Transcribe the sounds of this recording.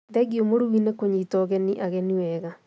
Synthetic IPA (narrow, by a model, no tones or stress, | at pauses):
ðɛɡiomoɾuwinekoɲitɔɣɛniʔaɣɛniwɛɣa